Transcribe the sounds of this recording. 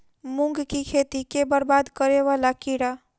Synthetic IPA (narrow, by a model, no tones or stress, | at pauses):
mʊ̃ŋɡkikʰeːt̪ikebəɾbaːd̪kəɾeʋaːlakiɽaː